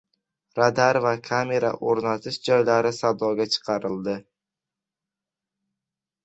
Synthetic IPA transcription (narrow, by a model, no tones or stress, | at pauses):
ɾad̪aɾvakʰame̞ɾa̰ʔoɾnat̪ʰɪʃd͡ʒɒjlaɾɪsad̪ɒɡʲat͡ʃʰɨ̥qʰɑɾɪld̪ɪ